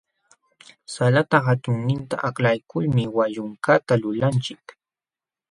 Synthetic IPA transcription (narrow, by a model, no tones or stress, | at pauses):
salat̪ahat̪ʊŋnɪnt̪a̰ʔaklajkʊlmɪwaʎʊŋkat̪alʊlant͡ʃɪk